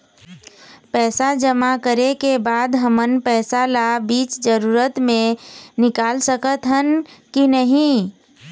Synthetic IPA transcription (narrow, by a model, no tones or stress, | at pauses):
pɛːsad͡ʒəmakəɾekebaːd̪ɦəmənpɛːsalabiːt͡ʃd͡ʒəɾuːɾət̪mẽnɪkaːlsəkət̪ɦənkinəɦĩ